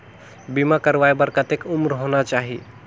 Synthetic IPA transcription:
bimakəɾʋajbəɾkət̪ekʊmɾɦonat͡ʃaɦi

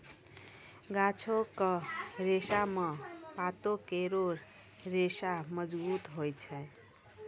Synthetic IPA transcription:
ɡat͡ʃʰokəɾesamepat̪okeɾoɾ | ɾesaməd͡ʒbut̪ɦojt͡ʃʰɛ

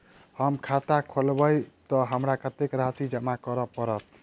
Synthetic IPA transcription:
həmkʰat̪akʰolbəjt̪ɔɦəmɾakət̪ekɾasid͡ʒəmakəɾəpəɾət̪̚

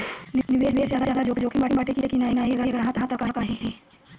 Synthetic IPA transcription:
nɪnɪʋeːsbeːsjaːd̪aaːd̪ad͡ʒoːkd͡ʒoːkʰimbaːʈibaːʈekiekinaːɦinaːɦiɐɡəɡəɾɐɦãːt̪ɐɦãt̪əkaːkaːɦĩɦɛ̃ː

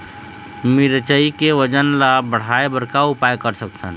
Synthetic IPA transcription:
miɾt͡ʃəikeʋəd͡ʒənlabəɽ̤aebəɾkaʊpajkəɾsək̚t̪ə̰n

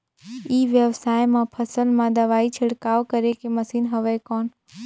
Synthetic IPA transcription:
iːʋjəʋsaːjmãpʰəsəlmãd̪əʋaːit͡ʃʰɪɽkaːʋkəɾekeməsiːnɦəʋekɔːn

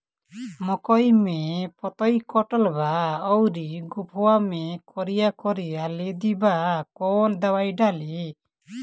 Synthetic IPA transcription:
mɔkɔjmɛpɔt̪ɔjkɔʈɔlbaɔwɾiɡupɔwamekʰɔɾijakɔɾialed̪ibakɔnd̪awajɖali

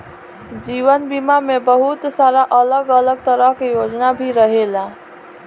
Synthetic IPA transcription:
d͡ʒiʋənbimamebəɦut̪saɾaʔələɡələɡ̚t̪əɾəɦkejod͡ʒnabʱiɾəɦela

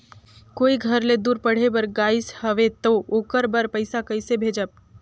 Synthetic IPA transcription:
koiɡʱəɾled̪uːɾpəɽ̤ebəɾɡaishəʋet̪ookəɾbəɾpəjsakəjsebʱed͡ʒəb̚

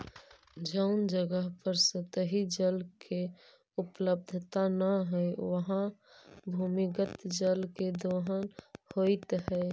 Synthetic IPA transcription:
d͡ʒəʊnd͡ʒəɡəɦpəɾsət̪əɦid͡ʒəlkʰe | ʊpləb̚d̪ʱt̪anəɦɛeʋəɦã | bʱumikət̪d͡ʒəlked̪oːɦənhoɪt̪ɦɛ

